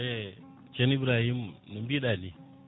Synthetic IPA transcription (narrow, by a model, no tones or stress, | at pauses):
e | t͡ʃenibɾahimnumbiɗani